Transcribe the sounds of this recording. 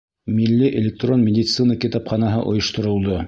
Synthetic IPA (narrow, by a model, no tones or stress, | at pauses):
milːiʔelʲɪk̚t̪ronmʲɪdʲit̪sɨnəkʲit̪ɑpχɑnɑɦɤ̰ʔŏ̰jɤ̆ʃt̪ŏɾŏlˠd̪o